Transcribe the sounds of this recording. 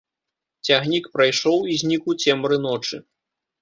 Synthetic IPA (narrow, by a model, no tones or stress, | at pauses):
t͡sʲaɣnʲikpɾajʂɔwizʲnʲikut͡sʲɛmɾɨnɔt͡ʂɨ